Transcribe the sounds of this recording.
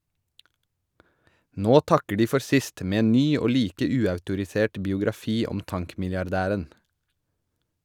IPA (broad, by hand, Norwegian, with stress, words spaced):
ˈnoː ˈtɑkə ˈɖiː ˈfɔɾ ˈsɪst ˈmeː ˈeːn ˈnyː ˈoː ˈliːkə ˈʉːɑʉtʊɾɪˌseːʈ bɪʊɡɾɑˈfiː ˈɔm ˈtɑŋkmɪljɑɾˌdæːɾən